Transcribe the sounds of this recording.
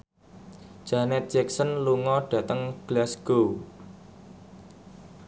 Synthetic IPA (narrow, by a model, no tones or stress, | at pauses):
ʒ̥anɛt̪̚d͡ʒɛksənluŋɔɖ̥ä̤t̪əŋɡ̥lasɡ̥o